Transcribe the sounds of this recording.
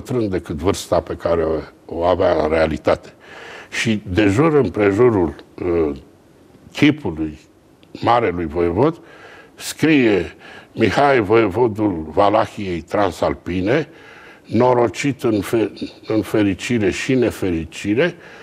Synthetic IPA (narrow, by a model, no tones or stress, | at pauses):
t̪ɾɨnd̪e̞kɨt̪vɨrst̪ape̞kaɾeoavaɨnɾe̞alit̪at̪e̥ʃid̪e̞ʒuɾɨnpɾe̞ʒuɾul | kʲʰipuluj | maɾe̞lujvo̞jevo̞d̪skɾijemixaevoevo̞d̪ulvalaxije̞jt̪ɾansalpine̞ | no̞ɾo̞t͡ʃit̪ɨnfeɨnfe̞ɾit͡ʃiɾe̞ʃine̞fe̞ɾit͡ʃiɾe̞